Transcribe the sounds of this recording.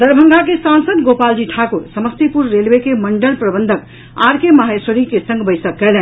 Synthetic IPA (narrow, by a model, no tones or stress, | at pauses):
d̪əɾbʱəŋɡakesansəd̪ɡopald͡ʒiʈʰakuɾsəməst̪ipuɾːelbekeməɳɖəlpɾəbənd̪ʱək | aɾkemaɦesoɾikesəŋɡbəjsəkːɛlɛn